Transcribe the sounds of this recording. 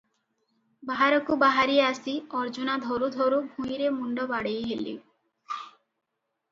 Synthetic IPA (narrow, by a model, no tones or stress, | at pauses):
baɦaɾɔkubaɦaɾieasiɔɾd͡ʒunad̪ʱɔɾud̪ʱɔɾubʱũjɾemuɳɖɔbaɽejɦelḭ